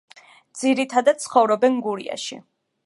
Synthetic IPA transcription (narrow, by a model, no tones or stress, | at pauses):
d̪z̥iɾit̪ʰad̪at̪̚sχɔvɾɔbɛnɡuɾia̰ʃḭ